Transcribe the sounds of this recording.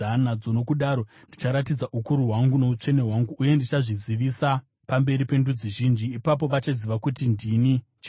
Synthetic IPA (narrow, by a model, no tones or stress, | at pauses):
anad͡zo̞no̞kuɗaːɾo̞ndit͡ʃaɾatid͡zaʔukuɾuɦwaŋɡuno̞ut͡ʂe̞ne̞ɦwaŋɡuʔːje̞ndit͡ʃaʐiziʋisa | pambe̞ɾipe̞ndud͡ziʒiːnd͡ʒiːpap̬o̞ʋat͡ʃaziʋakutindini | t͡ʃ